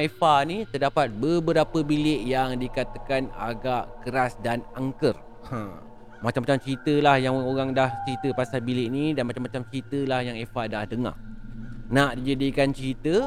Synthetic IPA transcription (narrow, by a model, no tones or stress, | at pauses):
efanit̪ərdapat̪̚bəbəɾapəbilɪʔjaŋdikat̪akana̰ɡaʔkəɾasdanaŋkər | ã | mat͡ʃamːat͡ʃamt͡ʃəɾit̪əlahjaŋoɣaŋdaht͡ʃɾit̪əpasabilɪʔnidanmat͡ʃamːat͡ʃamt͡ʃəɾit̪əlahjaŋefadahdəŋa̰ | naʔdid͡ʒadikant͡ʃəɾit̪ə